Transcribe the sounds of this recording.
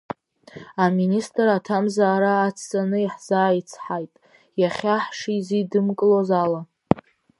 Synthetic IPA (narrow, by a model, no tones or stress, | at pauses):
aministʼratʰamzaːɾaːt͡sʰt͡sʼanɨiħz̥aːit͡sʰħajtʼ | jaχʲaħʂizidɨmkʼlozala